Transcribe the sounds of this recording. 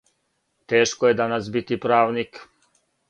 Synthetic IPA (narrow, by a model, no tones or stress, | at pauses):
t̪eːʃkojed̪anasbit̪ipɾaːʋnik